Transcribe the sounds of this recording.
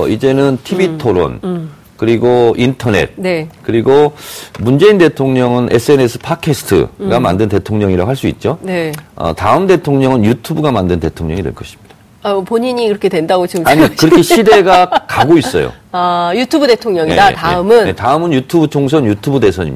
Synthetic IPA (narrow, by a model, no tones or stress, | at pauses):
id͡ʑe̞nɯntʰibitʰoɾo̰n | kɯɾiɡointʰʌne̞̰t̚nekɯɾiɡomund͡ʑe̞inde̞tʰoŋɲʌŋɯnʔe̞sʰɯe̞ne̞sʰɯ̥pʰakʰesʰɯ̥tʰɯ̰ɡama̰ndɯnte̞tʰoŋɲʌŋiɾa̰ɦaɭs͈uḭt̚t͡ɕ͈oneʌ̰taɯmde̞tʰoŋɲʌŋɯnjutʰubuɡamandɯnde̞tʰoŋɲʌŋidweɭk͈ʌɕʰi̥mɲid̥a | apoɲiɲikɯɾʌkʰedwendaɡot͡ɕiaɲikɯɾʌkʰeɕʰide̞ɡakaɡoiss͈ʌjo̰ajutʰubude̞tʰoŋɲʌŋḭdataeɯmɯnetaɯmɯnjutʰubut͡ɕʰoŋs̬ʰʌnjutʰubude̞sʰʌɲḭ